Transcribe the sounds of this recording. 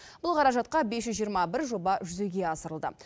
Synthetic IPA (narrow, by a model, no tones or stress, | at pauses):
bʊlˠqʰɑɾɑʒɑt̪̚qɑbe̞sʒʏzʒijəɾmɑbɪɾʒo̞bɑʒʏzeɡʲe̞ɑsəɾəlˠd̪ə̰